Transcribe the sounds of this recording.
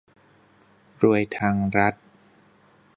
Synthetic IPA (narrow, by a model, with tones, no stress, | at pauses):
ɾu˧əjt̪ʰaː˧ŋɾa˦˥t̪̚